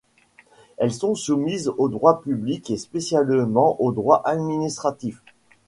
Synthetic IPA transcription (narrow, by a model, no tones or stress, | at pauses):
ɛlsɔ̃sumizod̪ʁwapyblikespesjalmɑ̃ʔod̪ʁwaʔad̪minist̪χat̪if